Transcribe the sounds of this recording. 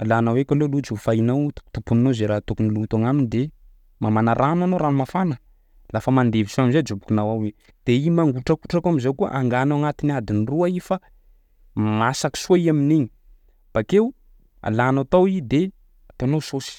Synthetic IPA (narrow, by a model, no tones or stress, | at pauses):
alanawekʲalolud͡ʒufajnawt̪u̥t̪upunnozeɾaːt̪ukunilut̪aŋaminid̪e | mamanaɾananoɾamafanə | lafəmand̪evisuaminzed͡ʒubukunawawe | d̪̥eimaŋɡuʈ͡ʂakuʈ͡ʂakamizawkua̰ʔaŋɡanaaŋat̪iniad̪iniruaifa | masaki̥suaiaminiɲi̥ | b̥akew | a̰lanat̪awid̪e | at̪eanososi̥